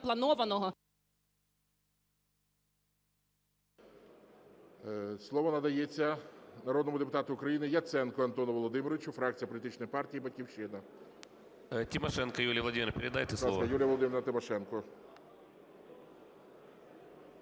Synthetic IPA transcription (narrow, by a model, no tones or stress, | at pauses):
plˠɐnɔʋɐnɔɦɔ | slˠɔʋɔnɐd̪ɐjet͡sʲːɐnɐɾoɔd̪nɔmʊd̪epʊt̪ɑt̪ʊʊkɾɐjinɪjɐt̪sɛnkɔɐnt̪ɔnʊʋɔlˠɔd̪ɪmɪɾɔʋʲɪt͡ʃʊfɾɑk̚t͡sʲijɐpɔlʲit̪ɪt͡ʃnɔjpɑrtʲijibɐtʲkʲiwʃɪnɐ | tʲimɐʃɛnkɐjulʲijʋlˠɐdʲimʲɪɾrpʲɪɾʲɪd̪ɑ̰jt̪ɛsskɐjulʲjɐʋɔlˠɔd̪ɪmʲɪɾɐt̪ɪmɐʃɛnkɔ